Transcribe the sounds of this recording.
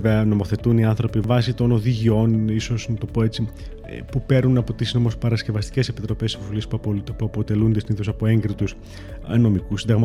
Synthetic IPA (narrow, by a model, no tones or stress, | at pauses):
veɐno̞mo̞θe̞t̪uniɐnθɾo̞pivɐsit̪o̞no̞ðiʝio̞niso̞snɐt̪o̞po̞et͡sḭ | pupe̞ɾnunɐpo̞t̪isno̞mospɐɾɐsce̞vɐst̪i̥ce̞sepit̪ɾo̞pe̞sifofilispuɐpo̞t̪e̞lund̪siniθosɐpo̞e̞ŋɡɾit̪us | no̞mikusind̪ɐɣmɐ